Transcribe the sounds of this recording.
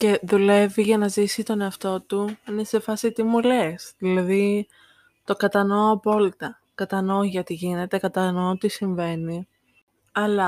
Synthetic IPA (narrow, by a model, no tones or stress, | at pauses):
ce̞ðule̞viʝɐnɐzisit̪o̞ne̞ɐft̪o̞t̪uinese̞fɐsit̪imule̞sðilɐði | t̪o̞kɐt̪ɐno̞ːɐpo̞lit̪ɐ | kɐt̪ɐno̞ʝɐt̪iʝine̞t̪e̞kɐt̪ɐnot̪isiɱve̞ni | ɐlɐ